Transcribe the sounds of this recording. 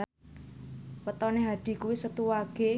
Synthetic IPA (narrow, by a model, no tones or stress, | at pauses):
wət̪ɔneɦad̪̥i̤kuwisət̪uwaɡ̥e̤